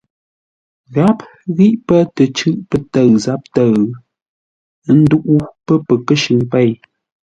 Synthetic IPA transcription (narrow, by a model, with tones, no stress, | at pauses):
ɣa˦p̚ | ɣi˦ʔpə˦tə˨t͡ʃʉ˦ʔpə˦tə˦˨ɰza˨˦p̚tə˦˨˦ | n̩˦du˦ʔu˦pə˦pə˨kə˦ʃʉ˨ŋpɛ˦˨j